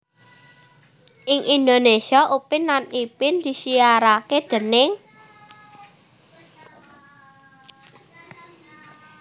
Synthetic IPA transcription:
ʔɪŋʔind̪onesiaʔupɪnːanipɪnd̪̥i̤sijaɾaked̪̥ə̤ne

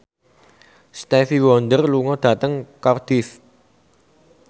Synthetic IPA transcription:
st̪ɛfiwɔnd̪ərluŋɔd̪̥ä̤t̪əŋkɔrd̪̥ɪs

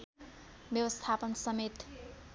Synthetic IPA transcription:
bjʌwʌst̪ʰapʌnsʌmet̪

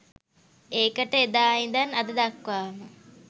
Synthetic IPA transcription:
eːkəʈəed̪aːind̪anad̪əd̪akʋaːmə

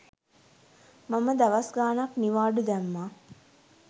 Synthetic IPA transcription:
maməd̪aʋasɡaːnakniʋaːɖud̪æmːaː

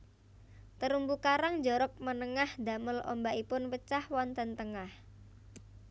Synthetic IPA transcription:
t̪əɾumbukaɾaŋd͡ʒɔɾɔk̚mənəŋahd̪ä̤məlʔoɔ̰mbaipʊnwət͡ʃahwɔnt̪ənt̪əŋah

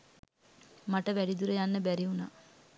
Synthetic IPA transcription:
maʈəʋæɖid̪uɾəjanːəbæɾiunaː

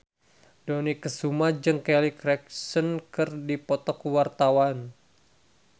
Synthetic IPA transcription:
dɔnikəsumad͡ʒɨŋkɛlikɾɛk̚sənkɨrdipɔt̪ɔkuwart̪awan

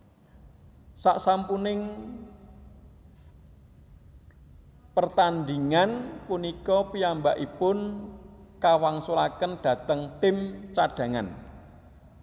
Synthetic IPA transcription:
saʔsampunɪŋ | pərt̪and̪iŋanpunikɔpiambaʔipʊn | kawaŋsulakənɖ̥ä̤t̪əŋt̪ɪmt͡ʃaɖ̥ä̤ŋan

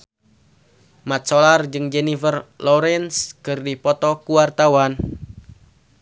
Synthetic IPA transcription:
mat̪̚sɔlard͡ʒɨŋd͡ʒɛnifərlɔɾɛnskɨrdipɔt̪ɔkuwart̪awan

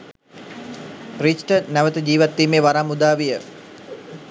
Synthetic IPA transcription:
ɾit͡ʃʈənæʋət̪əd͡ʒiːʋat̪ːiːmeːʋaɾamud̪aːʋijə

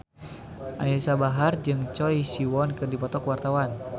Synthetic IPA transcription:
ʔa̰nlisabaɦard͡ʒɨŋt͡ʃɔisiwɔnkɨrdipɔt̪ɔkwart̪awan

